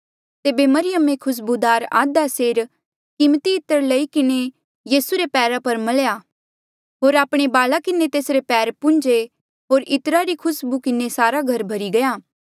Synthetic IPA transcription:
t̪eːbemɐɾɪjəmekʰʊs̬bud̪aːɾa̰ːd̪aseːɾ | kɪmət̪iɪt̪əɾlɐikɪne | jiːsuɾepɛːɾapɐɾmɐlja | ɦoːɾaːpɽ̃ebaːlakɪnet̪eːsɾepɛːɾpʊ̃nd͡ʒe | ɦoːɾɪt̪əɾaɾikʰʊsbukɪnesaːɾaɡʱɐɾbʱɐɾiɡɐjaː

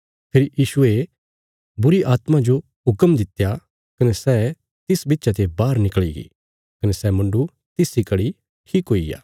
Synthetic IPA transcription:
pʰeːɾijiːʃue | bʊɾiʔaːt̪mãd͡ʒo | ɦʊkəmd̪ɪt̪ja | kɐnesɛ | t̪ɪsbɪtːʃat̪ebaːɾnɪkɭḭɡḭː | kɐnesɛmɐ̃ɳɖu | t̪ɪsikɐɽi | ʈʰiːkɦoːija̰ː

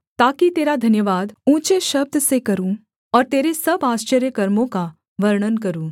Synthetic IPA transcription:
t̪aːkit̪eːɾad̪ʱɐnjəʋaːd̪ũːt͡ʃeʃɐb̚d̪ʱsekɐɾũː | ɔːɾt̪eːɾesɐbaːʃt͡ʃəɾjəkɐɾmõka | ʋɐɾɳ̃ənkɐɾũː

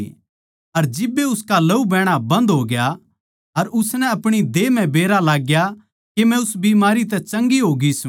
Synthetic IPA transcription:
ɐɾd͡ʒɪbːeʊskalɐubɛːɽ̃abɐ̃nd̪ɦoːɡja | ɐɾʊsnɛ̃ɐpɽ̃id̪eːmɛ̃beːɾalaːɡja | kemɛ̃ʊsbiːmaːɾit̪̬ɛt͡ʃɐ̃ŋɡiɦoːɡisũ

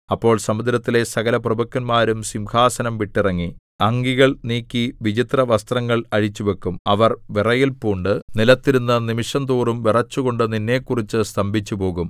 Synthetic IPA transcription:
ɐpːo̞ːɭsɐmud̪ɾɐt̪ːile̞sɐɣɐlɐprɐbɐkːɐnmaːɾumsimkʰaːsɐnɐmʋiʈːirɐŋːi | ɐŋɡiɣɐɭniːkːiʋid͡ʑit̪rɐʋɐst̪rɐŋːɐɭɐɻit͡ɕːuʋekːumɐʋɐrʋirɐjilpuːɳɖɨnilɐt̪ːiɾunːɐnimiʂɐnt̪uːrumʋirɐt͡ɕːuɣo̞ɳɖɨninːe̞ːkːurit͡ɕːɨst̪ɐmbʱit͡ɕːupo̞ːɣum

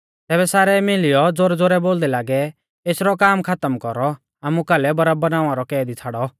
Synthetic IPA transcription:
t̪ɛːbɛsaːɾɛmɪlɪjɔd͡zoɾd͡zoɾɛboːld̪ɛlaːɡɛ | eːsɾɔkaːmkʰat̪əmkɔɾɔ | aːmukalɛbɐɾabɐnaːʋãɾɔkɛːd̪it͡sʰaːɽɔ

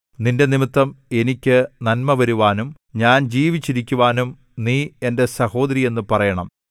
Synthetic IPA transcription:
ninde̞nimit̪ːɐme̞nikʲːɨnɐnmɐʋɐɾuʋaːnum | ɲaːnd͡ʑiːʋit͡ɕːiɾikʲːuʋaːnum | niːe̞nde̞sɐho̞ːd̪ɐɾije̞nːupɐrɐjɐɳɐ̰m

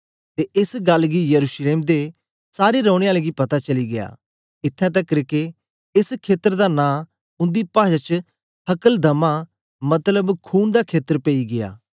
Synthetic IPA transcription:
t̪eʔɪsɡɐlɡijɐɾuːʃleːmd̪e | saːɾiɾɔːʊɽ̃eaːleɡipɐt̪at͡ʃɐliɡɪja̰ː | ɪt̪ʰːɛ̃t̪ɐkːɾɪke | ɪskʰeːt̪əɾd̪anãː | ʊ̃nd̪ipaːd͡ʒat͡ʃə | hɐkəld̪ʱɐma | mɐt̪ləbkʰuːnd̪akʰeːt̪əɾpeiɡɪa̰ː

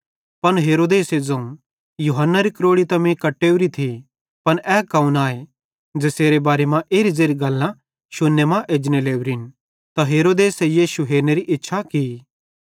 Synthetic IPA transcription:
pɐnɦeːɾoːd̪eːsed͡zɐ̃ũ | juɦənːaɾikɾoːɽit̪ɐ̃mẽkɐʈːeːuɾit̪ʰi | pɐnɛːkaːũnaːe | d͡ʒeːseːɾebaːɾemãʔeːɾizeːɾiɡɐlːã | ʃʊnːemãʔeːd͡ʒneleːuɾin | t̪aɦeːɾoːd̪eːsejiːʃuɦeːɾneɾiʔɪtːʃʰaki

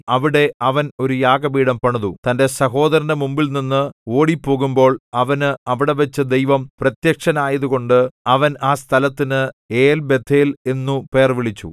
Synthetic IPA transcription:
ɐʋiɽe̞ɐʋɐno̞ɾujaːɡɐbiːɽɐmpɐɳɐðut̪ɐnde̞sɐɦo̞ːd̪ɐɾɐndɐmumbilninːɨo̞ːɽipːo̞ːɣumbo̞ːɭɐʋɐnɨɐʋiɽe̞ʋɐt͡ɕːɨd̪ejʋɐmprɐt̪jɐkʂɐnaːjɐðuɣo̞ɳɖɨɐʋɐnaːst̪ʰɐlɐt̪ːinɨeːlbe̞t̪ʰːeːle̞nːupe̞ːrʋiɭit͡ɕːṵ

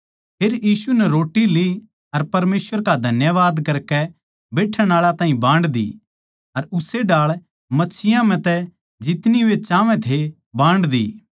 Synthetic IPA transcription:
pʰeːɾjiːsunɛɾoːʈːili | ɐɾpɐɾmeːsʋəɾkad̪ʱɐnjəʋaːd̪kɐɾkɛ | beːʈʰɛ̃ɽ̃aːɭat̪ãːɦĩbãːɳɖd̪ḭ | ɐɾʊseɖaːɭ | mɐtːt͡ʃʰɪjãmɛ̃t̪ɛ | d͡ʒɪt̪niʊet͡ʃaːʋɛ̃t̪ʰe | bãːɳɖd̪ḭː

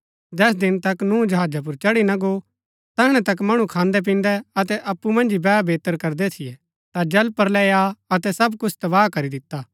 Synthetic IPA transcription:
d͡ʒɛːs̬d̪ɪnt̪ɐknũːd͡ʒɐɦaːd͡ʒap̬ʊɾt͡ʃɐɽinɐɡo | t̪ɐɪɽ̃ɛ̃t̪ɐk̬mɐɽ̃ũkʰãːnd̪ɛp̬ĩːn̆d̪ɛɐt̪ɛʔɐpːumɐ̃nd͡ʒibɛːbeːt̪əɾkɐɾd̪ɛt̪ʰɪjɛ | t̪ad͡ʒɐlpəɾlɛːaɐt̪ɛsɐbkʊt͡ʃʰt̪ɐʋaːkɐɾid̪ɪt̪ːaː

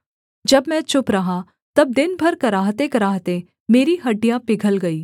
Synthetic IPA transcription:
d͡ʒɐbmɛ̃t͡ʃʊpɾɐɦã | t̪ɐb̚d̪ɪnbʱɐɾkɐɾaːɦt̪ekɐɾaːɦt̪e | meːɾiɦɐɖijapɪɡʱəlɡɐiː

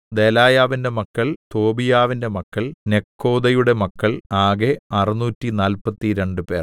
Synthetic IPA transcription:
d̪e̞laːjaːʋinde̞mɐkːɐɭt̪o̞ːbijaːʋinde̞mɐkːɐɭne̞kʰːo̞ːd̪ɐjuɽe̞mɐkːɐɭaːɡeɐrinuːtːinaːlpɐt̪ːiɾe̞ɳɖɨpe̞ːr

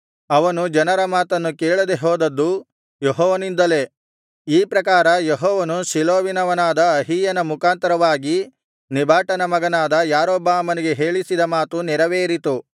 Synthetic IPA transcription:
ɐʋɐnud͡ʒɐnɐɾɐmaːt̪ɐnːukeːɭɐd̪eɦɔːd̪ɐd̪ːu | jeɦɔːʋɐnind̪ɐle̞ | iːpɾɐkaːɾɐjeɦɔːʋɐnusiloːʋinɐʋɐnaːd̪ɐɐɦiːjɐnɐmukaːnt̪ɐɾɐʋaːɡi | nibʱaːʈɐnɐmɐɡɐnaːd̪ɐjaːɾoːbaːmɐniɡe̞ɦe̞ːɭisid̪ɐmaːt̪unɛɾɐʋeːɾit̪u

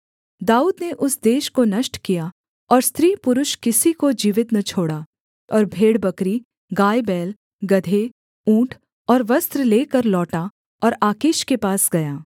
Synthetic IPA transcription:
d̪aːuːd̪neʔʊsd̪eːʃkonɐʃʈkija | ɔːɾst̪ɾiːpʊɾʊʃkɪsikod͡ʒiːʋɪt̪nɐt͡ʃʰoːɽaː | ɔːɾbʱeːɽbɐkɾi | ɡaːjbɛːl | ɡɐd̪ʱe | ũːʈʰ | ɔːɾʋɐst̪ɾleːkɐɾlɔːʈa | ɔːɾaːkeːʃkepaːsɡɐjaː

